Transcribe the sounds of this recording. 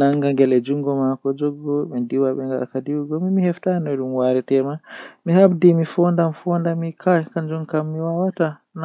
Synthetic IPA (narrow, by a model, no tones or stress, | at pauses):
naŋɡaŋɡɛlɛd͡ʒuŋɡɔmakɔd͡ʒɔɡɔɓɛndiwaɓɛŋɡaakadiwuɡɔmimihɛftanɔɗumwaɾɛtɛmamihabdimifɔndamfɔndamikʰakaɲd͡ʒumkamːiwawata | n